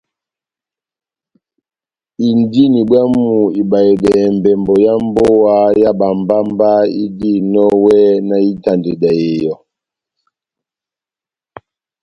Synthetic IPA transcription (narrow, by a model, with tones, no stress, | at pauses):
i˨ndi˦ni˨bwa˦mu˨i˨ba˨e˨dɛ˨mbɛ˨mbɔ˨ja˦m˦bo˦wa˦ja˦ba˨mba˦mba˦i˦di˦˨nɔ˦wɛ˦na˨i˦ta˨nde˨dɛ˨e˨jɔ˨